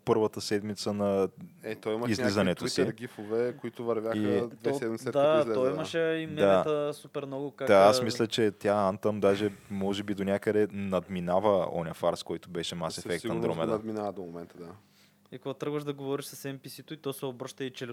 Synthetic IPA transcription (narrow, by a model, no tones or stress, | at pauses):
pɤɾvət̪əsɛd̪mit̪sənɐɛt̪ɔimɐizlizɐnɛt̪osiɡʲifovɛkoit̪ʊvɐɾvʲjaixəd̪vɛssɛd̪miɛd̪at̪ɔimɐʃɛimɛd̪aɛt̪əsupɛɾmnɔɡʊkad̪aasmisslʲɐt͡ʃɛt̪ʲjaant̪əmd̪aʒɛmɔʒɛbid̪onʲakəd̪ɛnɐd̪minavəɔ̰nʲɐfaɾskɔjt̪ʊbɛʃɛmasɛfɛk̚siɐnd̪ɾomɛd̪nɐd̪minavɐd̪omomɛnt̪əd̪a | ikoɡat̪ɾɤɡvəʃd̪ɐɡovɔɾiʃsɐsɛmpisit̪ʊit̪ɔsɛobɾɤʃt̪ɐit͡ʃɛl